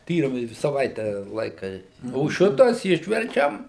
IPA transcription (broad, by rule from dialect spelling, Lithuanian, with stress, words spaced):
ˈtʲiːrʲɪmɐɪ sɐˈʋɐɪtʲɛ ˈlˠɐɪkɐ oː ˈʃʲɪtɐs ˈɪʃʲʋʲɛrʲt͡ʃʲɛm